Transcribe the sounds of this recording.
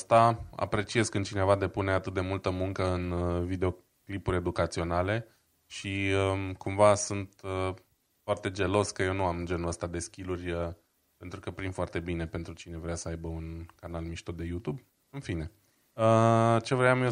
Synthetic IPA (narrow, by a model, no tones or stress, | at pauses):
st̪aa̰pɾe̞t͡ʃie̞zkɨnt͡ʃine̞vad̪e̞pune̞at̪ɨt̪̚d̪e̞mult̪əmuŋkəɨnvid̪e̞o̞ | klipuɾʲe̞d̪ukat̪sio̞nale̞ | ʃiəkumvasunt̪ə | foart̪e̞d͡ʒe̞lo̞skəje̞wnuamnd͡ʒe̞nuləst̪ad̪e̞skʲilurʲə | pe̞nt̪ɾukəpɾimfoart̪e̞bine̞pe̞nt̪ɾut͡ʃine̞vɾeasəajbəunkanalmiʃt̪od̪e̞jut̪ub | ɨnfine̞ | ət͡ʃe̞vɾeamjo